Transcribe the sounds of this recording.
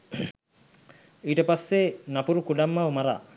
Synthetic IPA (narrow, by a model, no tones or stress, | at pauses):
iʈepasːenapuɾukuɖamːaumaɾa